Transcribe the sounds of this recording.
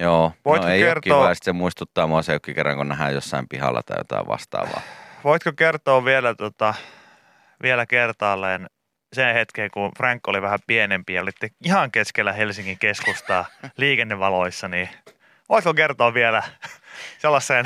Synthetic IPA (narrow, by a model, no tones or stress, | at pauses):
joːʋoit̪keˑikoertkːioːɑist̪semuist̪ut̪ːɑːmuɑseokːikerːɑ̰ŋkonæɦæːjjosːɑimpihɑ̰lːɑ̰t̪ɑijo̰t̪ɑ̰iʋʋɑ̰st̪ɑ̰ːʋɑ̰ːʋoit̪kokert̪oːʋielæt̪uot̪ɑ | ʋielækert̪ɑːlːeːn | senhet̪keːŋkunfrɑŋkːoliʋæhæpienempiɑolit̪ːeihɑŋkeskelːæhelsiŋkiŋkeskust̪ɑliːkenːeʋʋɑloisːɑniː | ʋoit̪kokert̪oːʋʋielæ | selːɑsːeːn